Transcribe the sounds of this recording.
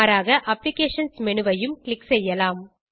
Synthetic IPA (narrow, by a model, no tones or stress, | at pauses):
ɾaːɣɐʔɐpːlɪkeːʂɐnsmɛɳɯʋɐjɯmkɭɪksɛjːɐlaːm